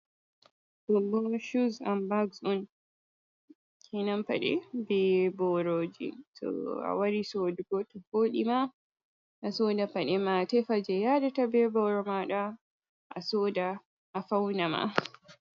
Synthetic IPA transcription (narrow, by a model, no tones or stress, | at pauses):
ɗɔbɔʃuza̰mbaɡsɔn | kʰinampa̰ɗɛ̰bɛbɔɾod͡ʒḭtʰɔ̰a̰waɾisoduɡɔtɔfoːɗima | ʔasodapaɗɛmatɛfad͡ʒɛjadatabɛbɔɾɔmaɗa | ʔa̰soːda | ʔːfawnama̰